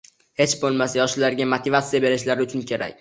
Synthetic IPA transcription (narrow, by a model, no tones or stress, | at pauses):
he̞t͡ʃbolˠmasajɒʃlaɾɡʲamot̪ʰɪvat̪sijabe̞ɾɪʃlaɾɪʊt͡ʃʰʊnkʲʰe̞ɾa̰kʲ